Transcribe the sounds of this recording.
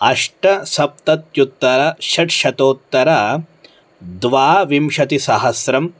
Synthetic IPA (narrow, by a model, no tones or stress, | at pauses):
ɐʂʈɐsɐp̚t̪ɐt̪jut̪ːɐɾɐʃɐʈʃɐt̪oːt̪ːɐɾɐ | d̪ʋaːʋimʃɐt̪isɐɦɐsɾɐm